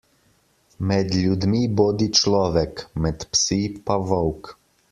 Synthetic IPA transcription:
mɛd̪lʲud̪miboːd̪it͡ʃlɔːʋɛkmɛt̪psipaʋɔwk

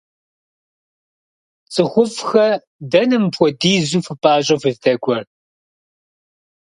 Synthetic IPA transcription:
t͡sʼɨχʷʊfxɐ | dɐnɨmpʰʷɔdiːzuːfɨpʼaːɕʼɐfɨzdʰɐɡʷɔr

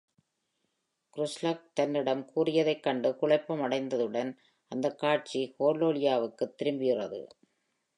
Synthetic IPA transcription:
kɾʊslaːk̚t̪ɐnːɪɽɐmkuːrɪjɐðɐɪkːɐɳɖɯkʊɭɐɪpːɐmɐɽɐɪnd̪ɐðɯɽɐn | ɐnd̪ɐkːaːʈ̚t͡ʃikoːloːɭɪjaːʋɯkːɯt̪ːɪɾɯmbɪɣɪrɐðɯ̰

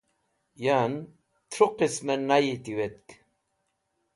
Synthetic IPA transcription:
jan | t̪ʰɾuqismenajit̪iwet̪̚k

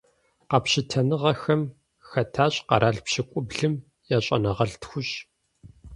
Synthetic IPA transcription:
qɑpɕɪtʰɐnɨʁɐxɐm | xɐtʰaːɕʼqɐ̰ɾʔaːɮpɕɪkʷʼʊbɮɨm | jaːɕʼɐ̰nɐʁɐɮtxʷʊɕ

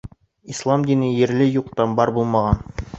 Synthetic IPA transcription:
islˠɑmd̪inɘjɘ̆ɾlɘjuqt̪ɑnbɑɾbulˠmɑʁɑn

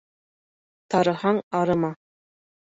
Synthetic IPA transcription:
t̪ɑɾɤ̆hɑŋɑɾɤ̆mɑ

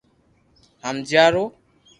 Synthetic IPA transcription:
hamd͡ʒaɾo

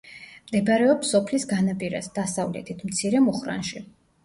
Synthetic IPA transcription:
md̪ɛbaɾɛɔpsɔpʰlisɡanapʼiɾa̰sd̪̥asavlɛ̰t̪ʰit̪ʰmt̪sʰiɾɛmuχɾa̰nʃi

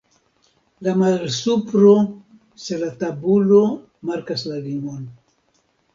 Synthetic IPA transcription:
lamalsupɾo | selatabulo̞ | maɾkaslaliŋon

